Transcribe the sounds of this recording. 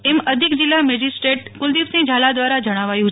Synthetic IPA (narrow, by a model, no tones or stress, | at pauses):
ɛməd̪ʱikd͡ʒilːamɛd͡ʒisʈeʈkʊld̪iʋsĩŋd͡ʒʱalad̪ʋaɾad͡ʒəɽ̃aʋajũt͡ʃ